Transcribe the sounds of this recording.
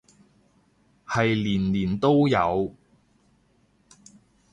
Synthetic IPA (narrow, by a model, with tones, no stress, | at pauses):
hɐ˨jliː˨˩nliː˨˩nt̪o˥wjɐ̰˨˧w